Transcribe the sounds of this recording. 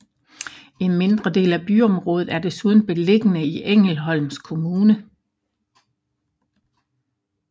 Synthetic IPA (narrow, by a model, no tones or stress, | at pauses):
e̝nme̝nd̥ʁɐd̥e̝̰ːlæb̥yɒ̽mʁɔ̽ːðð̩ˠæɐd̥e̝suːð̞ˠn̩b̥e̝le̝ɡ̥ənəiʔeŋ̰l̩ɦɒ̽l̰mskʰo̝muːnə